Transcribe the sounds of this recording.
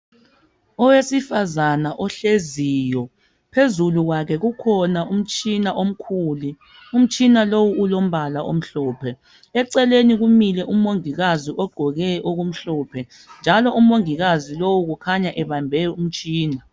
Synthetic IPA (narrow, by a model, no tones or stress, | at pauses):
ɔwesifazanaʔɔɬezijɔ | pʰezuluɣwakʰɛɣukʰɔnaʔum̩t͡ʃʼinaʔom̩kʰuːli | um̩t͡ʃʼinalowuːlom̩βʱalaʔo̰m̩ɬɔːpʰɛ | ɛǀɛleniɣumilɛʔumoŋiɣaziʔɔɡ͡ǃʱɔɣɛʔoɣum̩ɬɔːpʰɛ | nd͡ʒʱalɔʔum̩oŋiɣazilowuɣukʰaɲaʔɛβambʱɛum̩t͡ʃʼiːna